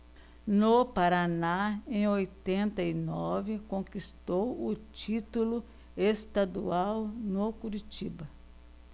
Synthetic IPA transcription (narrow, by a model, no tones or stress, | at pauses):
nopaɾanaẽj̃ojt̪ẽnt̪ɐinɔvɪkõkist̪owʊt͡ʃit̪ulʊ | est̪ad̪ṵawnokuɾit͡ʃibɐ